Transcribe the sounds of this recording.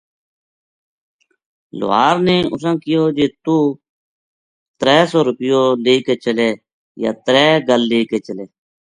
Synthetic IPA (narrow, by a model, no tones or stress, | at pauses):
lʊ̰ːɦa̰ːɾneːʊs̬ãːkɪjoːd͡ʒeːt̪uː | t̪ɾɛːsɔːɾʊpɪjoːleːkeːt͡ʃəleː | ja̰ːt̪ɾɛːɡəlːeːkeːt͡ʃəleː